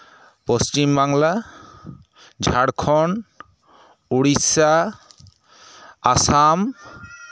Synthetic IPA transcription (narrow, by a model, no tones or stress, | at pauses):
post͡ʃimbaŋla | d͡ʒʱaɽkʰɔn | uɽisa | sam